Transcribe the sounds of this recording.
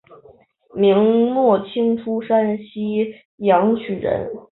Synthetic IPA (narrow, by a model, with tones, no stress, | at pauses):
mi˧˥ŋnwɔ˥˩t͡ɕʰi˥ŋʈ͡ʂʰu˥ʂa˥nɕi˥ | jɑ˧˥ŋt͡ɕʰy˨˩ɻə̰˧˥n